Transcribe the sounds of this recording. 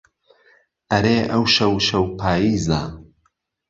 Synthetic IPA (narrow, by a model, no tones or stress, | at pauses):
ʔɐɾeːʔɐwʃɐwʃɐwpʰaːjiːza